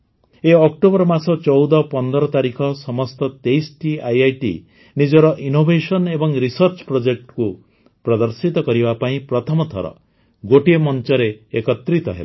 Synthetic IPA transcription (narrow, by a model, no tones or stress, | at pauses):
eɔk̚ʈobɔɾmasɔt͡ʃɔwd̪ɔpɔnd̪ɔɾɔt̪aɾikʰɔsɔmɔst̪ɔt̪ejsʈiajajʈḭ | nid͡ʒɔɾɔʔinobʱesɔnebɔŋɾisʌɾt͡ʃɔ̥pɾod͡ʒek̚ʈku | pɾɔd̪ɔɾsit̪ɔkɔɾibapaĩpɾɔt̪ʰɔmɔt̪ʰɔ̰ɾɔ̰ | ɡoʈiemɔnt͡ʃɔɾeːkɔt̪ɾit̪ɔ̰ɦḛla